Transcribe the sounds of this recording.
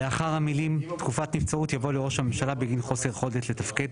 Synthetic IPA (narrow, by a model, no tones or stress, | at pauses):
leaχaʁhamilimt̪kufat̪nift͡saut̪javo̞leʁo̞ʃhame̞mʃalabeɡinχo̞se̞ʁχo̞detle̞t̪afked